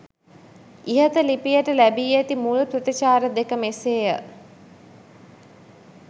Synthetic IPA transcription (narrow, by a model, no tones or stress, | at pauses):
iɦət̪əlipijəʈəlæbiːet̪imuluprət̪it͡ʃaːɾəd̪ekəmeseːjə